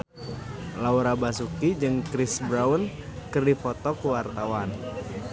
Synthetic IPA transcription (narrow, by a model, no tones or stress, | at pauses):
lauɾabasukid͡ʒɨŋkɾisbɾaunkɨrdifɔt̪ɔkuwart̪awan